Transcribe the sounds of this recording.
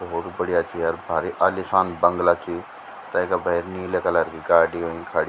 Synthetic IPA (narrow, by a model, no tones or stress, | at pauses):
oːt̪bəɽijaːt͡ʃiːaɾbʱaːɾiːʔalisãːnbəŋɡlaːt͡ʃiː | t̪ãɪkabəɪɾniːlekalaɾɡiːɡaːɖioːĩːkʰaːɽ